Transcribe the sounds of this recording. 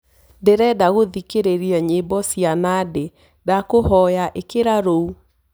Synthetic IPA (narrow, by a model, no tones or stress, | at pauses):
ndeɾɛdaɣoðikeɾeɾiɛɲebɔsianade | dakohɔjaʔekeɾaɾou